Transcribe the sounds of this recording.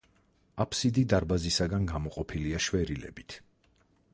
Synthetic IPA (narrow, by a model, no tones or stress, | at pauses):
apʰsid̪id̪aɾbazisaɡanɡamɔqʼɔpʰiliaʃwɛɾilɛ̰bit̪ʰ